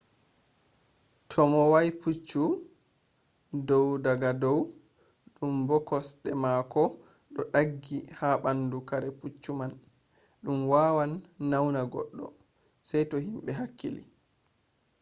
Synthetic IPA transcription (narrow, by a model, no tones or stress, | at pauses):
tʰɔmɔwajput͡ʃːu | dɔwdaɡadɔw | ɗumbɔkɔsɗɛmakɔ | ɗɔɗaɡːihaɓandukaɾɛput͡ʃːuman | ɗumwaːwanːawnaɡɔ̰ɗːɔ̰ | sajtɔhimɓɛɦakːḭlḭ